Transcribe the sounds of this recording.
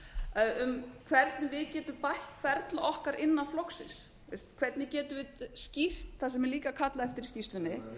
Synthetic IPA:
ʏmkʰvɛɾt̪nɪvɪðcɛːt̪ʏmpajht̪fɛɾt̪laʔɔhkaɾʔɪnːaflowksɪ̰ns | ɪst̪kʰvɛɾt̪nɪcɛːt̪ʏvɪðscir̥t̪θasɛmɛɾliːkakʰat̪laɛft̪ɪɾ̥scist̪ʏnɪ

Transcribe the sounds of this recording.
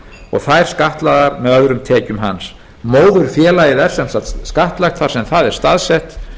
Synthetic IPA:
ɔ̰ɣθaðɛɾ̥skaht̪laðaɾmɛðœðɾʏmt̪ʰɛːcʏmɦa̰ns | moːwðʏɾ̥fjɛːlajɪðɛɾ̥sɛmsat̪skaht̪lajxt̪faɾ̥sɛmθaðɛɾ̥st̪aðsɛht̪

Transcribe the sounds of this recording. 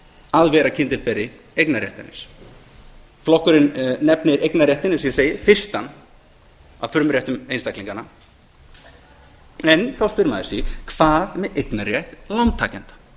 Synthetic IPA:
aðvɛːɾacʰɪnt̪ɪɾpɛɾɪ | ejknaɾjɛht̪ɪnɪ̰s | flɔhkʏɾɪnnɛpnɪɾejknaɾjɛht̪ɪnɪsjɛseːjɪfɪr̥t̪an | a̰wfʏmɾjaht̪ʏmejnst̪ajkliŋkanːa | ɛnθawspʏɾmaðɪsikʰv̥aːðmɛðejknaɾjɛht̪lawnt̪ʰːaːcɛnt̪ḁ

